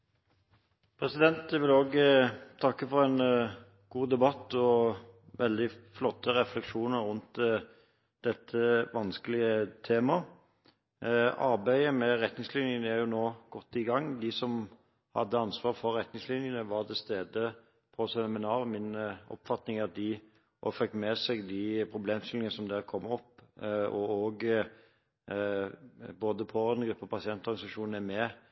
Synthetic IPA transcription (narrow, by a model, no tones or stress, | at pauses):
pʰʁɛsɪd̪ɛnt̪jɛʋɪloːɡət̪ʰɑkːəfɔɾɛn | ɡ̥uːd̪ɛbɑt̪ːɔʋɛld̪ɪflɔt̪ːəɾɛflɛkʂuːnəɾʁʊnt̪ | d̪̥ɛt̪ʰːəʋɑnskəlɪət̪ʰeːmɑ | ɑɾbæɪəmɛʁɛt̪nɪŋslɪnjənəæʁjʊnoːɡ̥ɔt̪ːɪɡɑŋːd̪ɪsɔm | hɑ̰d̪ːəɑnsʋɑːɾfɔɾɾɛt̪nɪŋslɪnjənəʋɑʁt̪ʰɪlst̪eːd̪ə | pʰɔsɛnmɪnɑːɾmɪnɔ̰pːfɑt̪nɪŋɑt̪̚d̪ɪ | ɔfœk̪mɛsɛɡd̪ɪpʰɾʊbleːmst̪ɪlɪŋənəsɔmd̪æɾkʰɔmːɔpːɔɔɡ | boːd̪əpʰɔɛnɡɾʉpːəpʰɑsɪɛnt̪ɔɾɡɑnɪsɑʂuːn̩æmɛ